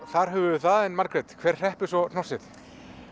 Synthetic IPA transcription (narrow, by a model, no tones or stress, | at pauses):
θaɾ̥ɦɛvʏθaðɛnmaɾkɾɛt̪kʰv̥ɛːr̥r̥ɛhpɪsɔnɔ̥sɪθ